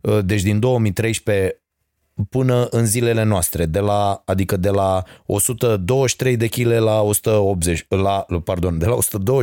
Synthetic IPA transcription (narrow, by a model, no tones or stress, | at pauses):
əd̪e̞t͡ʃʲd̪ind̪o̞wəmijt̪ɾejʃpe̞ | pɨnəʔɨnzile̞le̞noast̪ɾe̞d̪e̞laad̪ikəd̪e̞lao̞sut̪əd̪o̞wəʃt̪ɾe̞jd̪e̞kʲile̞lao̞su̥t̪əop̪̚zet͡ʃʲlapard̪o̞nd̪e̞lao̞su̥t̪əd̪o̞wə